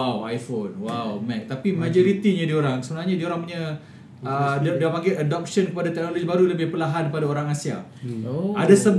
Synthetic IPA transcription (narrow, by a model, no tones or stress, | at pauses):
awajfonwawmɛ̃k̚t̪apimad͡ʒoɾit̪iɲãdioɾaŋsəbənarɲãdioɾaŋpuɲa | ədiapaŋɡɛʔadɔp̚sənkəpadat̪ɛk̚nolod͡ʒibaɾuləbɪhpəlaɦankəpadaoɾaŋasia̰ | adasəb